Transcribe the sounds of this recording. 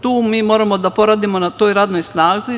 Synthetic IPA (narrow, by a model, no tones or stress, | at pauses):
t̪uːmiːmo̞ːɾamo̞d̪apo̞ɾad̪imo̞nat̪o̞ːjɾaːd̪no̞jsnaːzi